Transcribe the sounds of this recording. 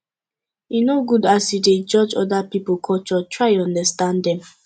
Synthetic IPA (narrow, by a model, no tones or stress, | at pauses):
inoɡudasided͡ʒɔd͡ʒɔdapipokʰɔt͡ʃɔtʰɹaɪɔ̃ndastãndɛ̃m